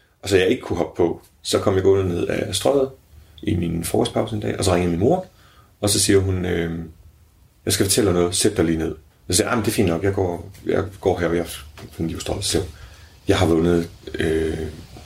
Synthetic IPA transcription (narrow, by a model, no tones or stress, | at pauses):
ʔɒ̽sɒjɑ̈ɪe̝ɡ̥əkʰuɦɒ̽b̥̚pʰɒ̽ | sɒ̽kʰɒ̽mjɑ̈ɡ̥ɔ̽nð̩ˠne̝ð̞̰ˠæ̰sd̥ʁɶð̩ˠʔiminfɒːɡ̥ɒspʰɑ̈ʊsəe̝ndɛ̰ːʔɒ̽sɒ̽ʁeŋəminmo̝ɐ | ɒ̽sɒ̽siːɐɦunø | jɑ̈ɪsɡ̥æfɒt͡sʰel̰ɑnɔ̽ːð̩ˠsed̥d̥ɑ̈ɪliːne̝ð̞̰ˠ | sɒsiːɐʔɑɪmnd̥e̝fḭːnd̥nɒ̽ɡ̥jɑ̈ɪɡ̥ɒ̰jɑɪɡ̥ɒ̰ːɦæɐɒjɑ̈fenisd̥ʁɒl̩ˠsel̰ | jɑ̈ɪɦɑ̈ʋɔ̽nð̩ˠø